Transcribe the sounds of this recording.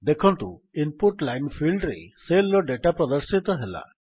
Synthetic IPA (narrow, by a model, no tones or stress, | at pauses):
d̪ekʰɔnt̪u | impuʈlajnpʰilɖɾeselɔɖeʈapɾɔd̪ɔɾsit̪ɔɦela̰